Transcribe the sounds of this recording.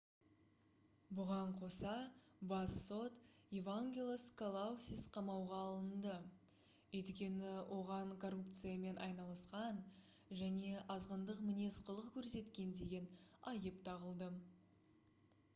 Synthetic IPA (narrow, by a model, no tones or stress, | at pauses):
bʊʁɑɴqʰo̞sɑ | bɑsːo̞t̪evaŋɡʲelʲˠeskʰolˠausʲisqʰɑmɑwʁɑːlˠənd̪ə | wɵjt̪kʲe̞nɪwʔo̞ʁɑɴkʰo̞rupt̪sɨjame̞nɑjnɑlˠəsqɑn | ʒæne̞ʔɑzʁənd̪əqmɪne̞sqʰəlˠəqkʲʰɵɾse̞t̪kʲe̞nd̪e̞ɡʲe̞nɑjəpt̪ʰɑʁəlˠd̪ə